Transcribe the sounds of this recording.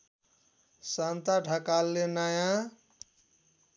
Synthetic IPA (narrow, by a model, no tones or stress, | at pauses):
sant̪aɖʱakalːenajã